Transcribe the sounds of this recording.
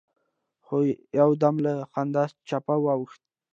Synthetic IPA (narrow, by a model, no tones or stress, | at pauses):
xojawd̪amləxand̪ast͡ʃapawawəxt̪̚